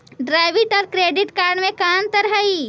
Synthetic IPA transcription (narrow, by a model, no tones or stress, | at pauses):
ɖɾaːɪʋɪʈɔːɾkɾeːɖɪʈkaːɾɖmẽkaːnt̪əɾɦai